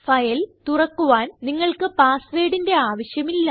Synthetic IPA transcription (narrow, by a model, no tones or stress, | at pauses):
fɐjɐlt̪urɐkːuʋaːnniŋːɐɭkɨpaːsʋe̞ːɽinde̞aːʋɐɕjɐmilːɐ